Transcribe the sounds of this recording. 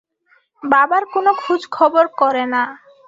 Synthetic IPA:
babaɾkonokʰud͡ʑkʰɔboɾkɔɾena

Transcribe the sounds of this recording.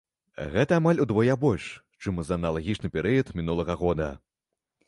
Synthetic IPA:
ɣɛt̪ɐːmalʲud̪vɔjabɔlʲʂ | t͡ʂɨmzɐːnɐlˠaɣʲit͡ʂnɨpʲɛɾɨjɐt̪mʲinulˠɐɣɐɣɔd̪ɐ̰

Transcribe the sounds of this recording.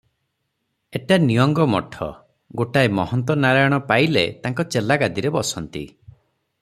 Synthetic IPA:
eʈanijɔŋɡɔmɔ̰ʈʰɔ̰ | ɡoʈaemɔɦɔnt̪̬ɔnaɾajɔɽ̃ɔpailḛt̪aŋkɔt͡ʃelaɡad̪iɾebɔsɔnt̪ḭ

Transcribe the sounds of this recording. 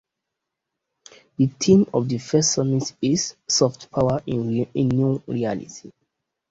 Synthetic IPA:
ditʰĩmɔvdəfɛstsɔmĩsisːɔftpʰawaĩĩnːjuɹialḭti

